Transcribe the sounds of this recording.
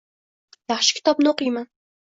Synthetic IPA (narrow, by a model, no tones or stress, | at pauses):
jaχʃɪ̥kʲʰɪ̥t̪ʰɒbnoqijman